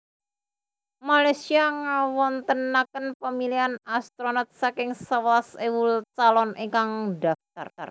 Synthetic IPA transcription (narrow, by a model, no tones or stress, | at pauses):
malajsiaŋawɔnt̪ənːakənpəmilianast̪ɾonat̪̚sakɪŋsəwasewult͡ʃalɔnʔiŋkaŋdaft̪a̰rar